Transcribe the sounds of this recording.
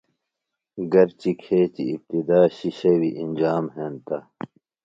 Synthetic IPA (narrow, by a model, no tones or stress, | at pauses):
ɡɐɾt͡ɕikʰeːt͡ɕḭːp̚t̪id̪aːɕiɕɐwiʔind͡ʑaːmɦeːnt̪ɐ